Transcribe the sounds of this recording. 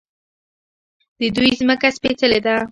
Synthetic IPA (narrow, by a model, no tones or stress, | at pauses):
d̪̥əd̪ujzməkaspet̪əled̪a